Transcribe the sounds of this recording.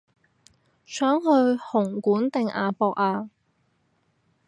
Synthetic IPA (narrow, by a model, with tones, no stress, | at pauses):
sœː˨˥ŋɦɵ˧ɥhʊ˨˩ŋkuː˨˥nt̪ɪ˨ŋʔa̰ː˧fɔː˧k̚aː˧